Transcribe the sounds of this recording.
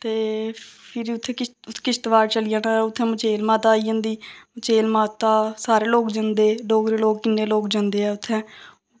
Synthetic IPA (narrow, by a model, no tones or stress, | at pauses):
t̪eːpʰɪɾʊt̪ʰːẽːkɪ | ʊt̪ʰːkɪst̪ʋaːɾt͡ʃəlijãːnaʊt̪ʰːɛ̃ːmət͡ʃeːlmaːt̪aːiːd͡ʒãːnd̪iːmət͡ʃeːlmaːt̪aːsaːɾeːloːkd͡ʒãːnd̪eːloːkɾeːloːkkɪnːeːloːkd͡ʒãːnd̪eːɛːʊt̪ʰːɛ̃ː